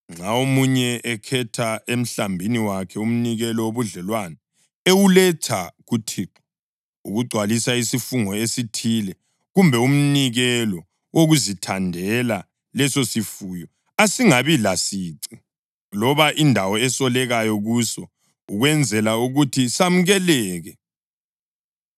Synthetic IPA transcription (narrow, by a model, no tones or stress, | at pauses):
ŋ͡ǁaomuɲɛʔɛkʰɛtʰaem̩ɬambʱiniwakʰɛum̩niɣɛlɔwoβuɮɛlwana | ewulɛtʰaɣutʰiǃɔ̥ | uɣuɡ͡ǀʱwalisaisifuŋɔesitʰilɛ | ɣumbʱɛum̩niɣɛlɔ | woɣuzitʰandʱɛla | lɛsosifujɔ | asiŋaβilasiːǀi | lɔβaʔindʱawɔɛsɔlɛɣajɔɣusɔ | uɣwɛnd͡zʱɛlauɣutʰisam̩ɣɛlɛːɣɛ